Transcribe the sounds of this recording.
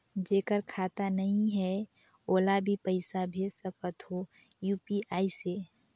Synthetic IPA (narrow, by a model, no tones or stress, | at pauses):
d͡ʒeːkəɾkʰaːt̪anəɦĩɦɛ | oːlabʱipəɪsabʱeːd͡ʒsəkət̪ɦo | juːpiʔaːise